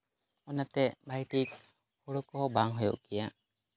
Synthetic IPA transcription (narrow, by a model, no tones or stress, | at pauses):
ɔnat̪ɛʔbajʈik | hɔɽɔkɔɦɔbaŋɦɔjɔ̰ʔkijaʔ